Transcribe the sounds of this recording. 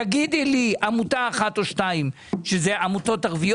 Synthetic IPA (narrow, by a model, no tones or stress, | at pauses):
aɡid̪iliamutaːχatoʃtaim | ʃezeʔamuto̞taʁvij